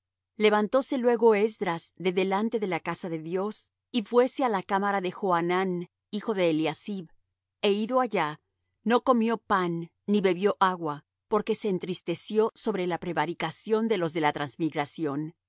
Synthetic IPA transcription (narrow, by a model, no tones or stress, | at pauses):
le̞βant̪o̞se̞lwe̞ɣo̞ezd̪ɾazðe̞ðe̞lant̪e̞ðe̞lakasaðe̞ðjo̞s | ifwe̞se̞alakamaɾaðe̞xoanan | ixo̞ðe̞ːljasiβ | e̞iðo̞aʝa | no̞ko̞mjo̞panː | iβe̞βjo̞ʔaɣwa | po̞ɾke̞se̞ːnt̪ɾist̪e̞sjo̞so̞βɾe̞lapɾe̞βaɾikasjo̞nd̪e̞lo̞zðe̞lat̪ɾanzmiɣɾasjo̞n